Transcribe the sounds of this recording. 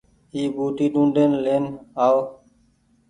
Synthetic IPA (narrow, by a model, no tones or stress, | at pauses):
iːbʱuːʈ̪iːɗũːɳɖeːnleːnaːʋ